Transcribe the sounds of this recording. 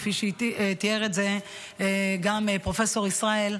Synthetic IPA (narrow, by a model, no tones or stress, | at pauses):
fiʃt̪ieʁetze | ɡamepʁo̞fe̞so̞ʁisʁae̞l